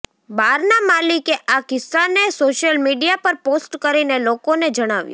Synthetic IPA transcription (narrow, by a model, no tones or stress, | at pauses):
baɾnamalikeʔakɪsːanesoʃjəlmiɖijapəɾposʈkəɾinelokoned͡ʒəɽ̃aʋjo̰